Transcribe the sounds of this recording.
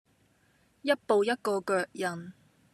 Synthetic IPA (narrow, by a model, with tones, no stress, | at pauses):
jɐ˥t̚po˨wjɐ˥t̚kɔː˧kœː˨˧k̚jɐ˨˩n